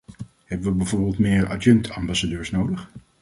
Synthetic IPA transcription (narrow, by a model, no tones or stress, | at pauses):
ɦɛbəʋəbɛjvʊːɹbɪːlˠtmɪːɹa̰dɛntʰɑmbɑsadøːɹsnowdəχ